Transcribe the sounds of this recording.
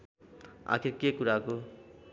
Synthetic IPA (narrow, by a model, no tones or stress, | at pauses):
a̰kʰiɾkekuɾako